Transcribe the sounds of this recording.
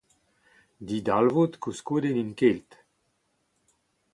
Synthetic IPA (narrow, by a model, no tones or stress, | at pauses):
d̪id̪alvot̪kuskud̪eninkelt̪